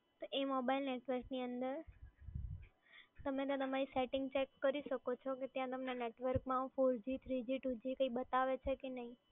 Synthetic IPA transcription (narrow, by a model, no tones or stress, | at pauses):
t̪oʔemobailneʈʋəɾkniənd̪əɾ | t̪əmẽt̪õt̪əmaɾiseʈɪ̃ŋɡt͡ʃekːəɾiʃəkot͡ʃʰɔket̪jãt̪əmneneʈʋəɾkmãfoɾd͡ʒit̪ʰɾid͡ʒiʈud͡ʒikəibət̪aʋet͡ʃʰekenəɦĩ